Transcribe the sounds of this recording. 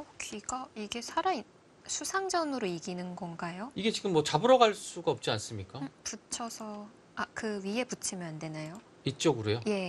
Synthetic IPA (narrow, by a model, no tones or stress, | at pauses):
ʌkʰiɡaiɡe̞sʰaɾai | sʰusʰaŋd͡ʑʌnɯɾoiɡinɯnɡʌnɡajoiɡe̞t͡ɕiɡɯmːwʌt͡ɕabɯɾʌɡaɭs͈uɡaʌp̚t͡ɕ͈ians͈ɯmɲik͈aput͡ɕʰʌsʰʌ | akɯɥie̞put͡ɕʰimjʌnande̞nejo | it̚t͡ɕ͈ʌɡɯɾojoje̞